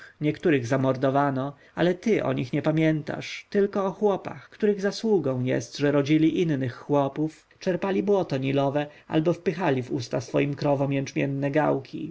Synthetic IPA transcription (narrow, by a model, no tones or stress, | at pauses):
ɲɛkt̪uɾɘɣzamɔɾd̪ɔvanɔ | alɛt̪ɘʔɔ̰ɲixɲɛpamʲjɛnt̪a̰ʂt̪ɘlkɔɔxwɔpa̰xkt̪uɾɘɣzaswuɡɔ̃w̃jɛ̰st̪ʐɛɾɔd͡ʑilʲiʔinːɘxːwɔpuf | t͡ʂɛɾpalʲibwɔt̪ɔɲilɔvɛʔa̰lbɔfpɘxalʲivṵst̪asfɔjimkɾɔvɔmjɛnt͡ʂmʲjɛnːɛɡawkʲḭ